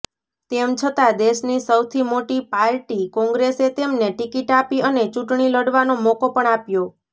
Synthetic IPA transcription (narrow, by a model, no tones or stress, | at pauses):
t̪emt͡ʃʰət̪ad̪eʃnisəwt̪ʰimoʈipaɾʈikɔ̃ŋɡɾeset̪emneʈikiʈapiənet͡ʃuʈɳiləɽʋanomɔkopəɳapjo